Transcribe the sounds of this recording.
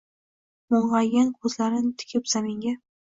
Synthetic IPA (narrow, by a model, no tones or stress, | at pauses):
moɴʁɑɡʲankʰɵzlaɾɪnɪt̪ʰɪ̥kʲʰɪpsameŋɡʲa